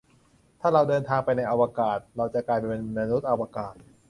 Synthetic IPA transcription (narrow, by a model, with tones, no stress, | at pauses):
t̪ʰaː˥˩ɾa˧wdɤː˧nt̪ʰaː˧ŋpa˧jna˧jʔa˧waː˧kaː˨˩t̪̚ɾa˧wt͡ɕa˨˩kaː˧jpa˧ne˧nna˧nu˦˥t̪̚ʔa˧waː˧kaː˨˩t̪̚